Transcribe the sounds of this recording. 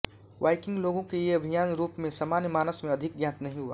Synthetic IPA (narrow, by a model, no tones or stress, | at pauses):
waɪkɪ̃ŋɡloːɡõkejeɐbʱijaːnɾuːpmẽsaːmaːnjəmaːnəsmẽɐd̪ʱɪk̚ɡjãːt̪nɐɦĩɦua̰ː